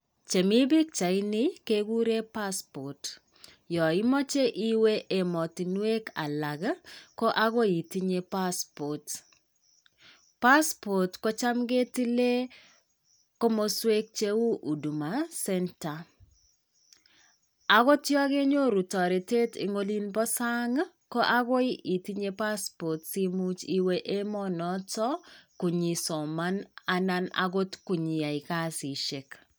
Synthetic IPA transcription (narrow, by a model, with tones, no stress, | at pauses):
t͡ʃe˨mi˦bi˦k̚t͡ʃa˨ɪ˦nɪ˦ke˦ɡu˦ɾe˦pa˦spɔ˨t | jɔ˨ɪ˦mɔ˦t͡ʃe˦ʔi˦we˦ʔe˨mɔ˨ti˨nwe˦ka̰˨la˨ɡkɔ˦ʔa˦ko˦i˨ti˦ɲe˦pa˦spɔ˨t | pa˦spɔ˨tko˦t͡ʃa˦mɡe˦ti˦le˦ | ko˦mo˦swe˦k̚t͡ʃe˦u˦ʔu˨du˨ma˨sɛ˦nta˨ | a˨ɣo˦tjɔ˦ɣe˦ɲo˦ɾu˨tɔ˨ɾi˨te˦tḭ˨ŋo˦li˦nbɔ˦sa˦ŋ | ko˦ʔa˦ɣo˦ɪ˦ʔi˨ti˦ɲe˦pa˦spɔ˨tsi˦mu˦t͡ʃi˦we˦ʔe˦mɔ˦nɔ˦tɔ˦ku˨ɲi˨sɔ˨ma˦na˨na˦na̰˨ɡo˦tku˨ɲi˨a˨i˨ka˦si˨ʃe˨k